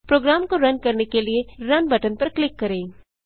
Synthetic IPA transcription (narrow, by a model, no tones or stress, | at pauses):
pɾoːɡɾaːmkoɾɐnkɐɾnekelieɾɐnbɐʈənpɐɾklɪkːɐɾẽː